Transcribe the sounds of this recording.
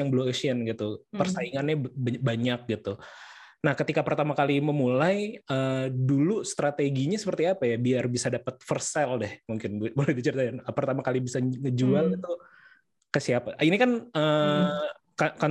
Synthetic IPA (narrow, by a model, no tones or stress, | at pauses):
aŋbəlomeʃiənɡit̪upərsaiŋanɲabaɲak̚ɡit̪u | nahkət̪ikapərt̪amakaliməmulajədulust̪ɾat̪eɡiɲasəpərt̪iapajabiarbisadapət̪̚fərsɛldɛhmuŋkɪnbbolɛhbit͡ʃərt̪ajanəpərt̪amakalibisaŋəd͡ʒualit̪u | kəsiapainikanə | kaka